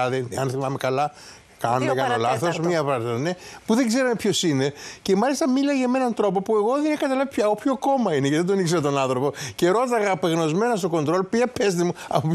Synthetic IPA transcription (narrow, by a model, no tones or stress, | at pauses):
ðenɐnθimɐmekɐlɐ | kɐnomekɐlolɐθosmiɐpɐɾt̪inepuðe̞ɡze̞ɾɐmepço̞sine̞ce̞mɐlist̪ɐmilɐʝɐmenɐnt̪ɾo̞popue̞ɣo̞ðenekɐt̪ɐlɐvopçaopçoko̞mɐine̞ceðend̪onikseɾot̪o̞nɐnθɾo̞po̞ce̞ɾo̞t̪et̪ɐɣɐpeɣno̞zmenɐst̪o̞ko̞nd̪ɾo̞lopiɐpest̪imuɐ̰pop